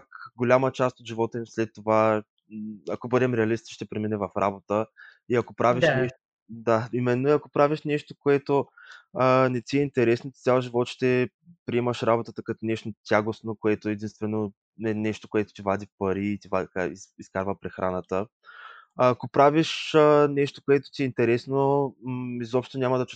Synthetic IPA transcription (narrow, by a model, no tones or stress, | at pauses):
kɡolʲamət͡ʃast̪od̪ʒivɔt̪ɛmslɛt̪ːova | ɐkobɤd̪ɛmɾɛɐlist̪ʃt̪ɛpɾɛminɛvɐfɾabot̪ə | iɐkopɾaviʃnɛʃt̪o | d̪aimɛnːoiɐkopɾaviʃnɛʃt̪okoɛt̪oənɛt̪ʲiɛint̪ɛɾɛsnot̪t̪ʲalˠʒivɔt̪ʃt̪ɛ | pɾiɛməʃɾabot̪ət̪əkɐt̪onɛʃt̪ot̪ʲjaɡosnokoɛt̪oɛd̪inst̪vɛno | ɛnɛʃt̪o̥koɛt̪o̥t̪ivad̪ʲifpɐɾiːt̪ʲivat̪kaiiskaɾvəpɾɛxɾʔanət̪əː | kopɾaviʃənɛʃt̪o̥koɛt̪o̥t̪iɛint̪ɛɾɛsno | izɔpʃt̪onʲamɐd̪ɐt͡ʃu̥